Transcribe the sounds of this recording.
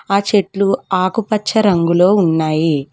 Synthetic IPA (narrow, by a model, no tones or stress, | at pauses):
aːt͡ʃe̞ʈluaːkupɐt͡ʃːɐɾɐŋɡulo̞ːunːaːji